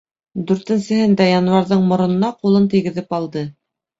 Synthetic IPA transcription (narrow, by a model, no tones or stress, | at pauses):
d̪ʉɾt̪ɘ̆nsɘ̆ɦɘnd̪æjɑnwɑɾðɤɴmŏɾŏnɤ̆nɑqulˠɤnt̪iɡɘ̆ðɘpɑlˠd̪ɤ